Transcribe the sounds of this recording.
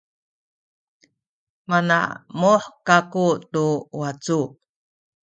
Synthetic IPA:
mana̰muħkakutuwat͡su

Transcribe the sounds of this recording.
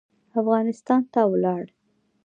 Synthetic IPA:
afɣɑnɪst̪ɑnt̪awlɑɽ

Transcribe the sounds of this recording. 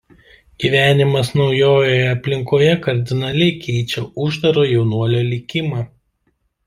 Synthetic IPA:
ɡ̥ʲiʋʲæːnʲɪmɐsnɒʊjoːjojɛɐpʲlʲɪŋkoːjɛkɐɾʲd̪ʲɪnɐlʲɛɪkʲʰɛɪt͡ʃʲɛʊʒd̪ɐɾoːjɛʊnuɔlʲoːlʲɪkʲɪmɑː

